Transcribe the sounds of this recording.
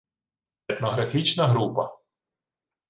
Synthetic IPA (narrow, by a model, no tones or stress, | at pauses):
ɛt̪nɔɦɾɐfʲit͡ʃnɐɦɾupɐ